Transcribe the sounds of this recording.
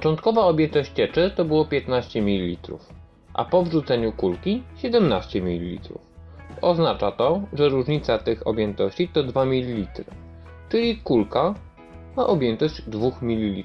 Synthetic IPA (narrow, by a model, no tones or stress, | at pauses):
pɔ̥t͡ʂɔnt̪kɔvaɔbʲjɛnt̪ɔɕt͡ɕt͡ɕɛt͡ʂɘt̪ɔbɘwɔpʲjɛt̪naɕt͡ɕɛmʲilʲilʲit̪ɾṵf | ʔa̰pɔvʐut̪sɛɲukulkʲiɕɛd̪ɛmnaɕt͡ɕɛmʲilʲilʲḭt̪ɾṵfɔznat͡ʂat̪ɔʐɛɾuʐɲit̪sat̪ɘxɔ̰bʲjɛnt̪ɔɕt͡ɕit̪ɔd̪vamʲilʲilʲit̪ɾɘ̰ | t͡ʂɘlʲikulka | maʔɔbʲjɛnt̪ɔɕd͡ʑd̪vuxmʲilʲːilʲi